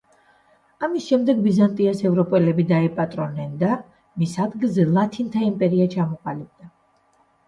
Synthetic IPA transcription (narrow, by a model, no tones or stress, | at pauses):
amisʃɛmd̪ɛɡbizant̪ʼiasɛvɾɔpʼɛlɛbid̪aipʼat̪ʼɾɔnɛnd̪a | misad̪ɡilˠzɛlˠat̪ʰint̪ʰaimpʼɛɾiat͡ʃʰamɔqʼalib̚d̪a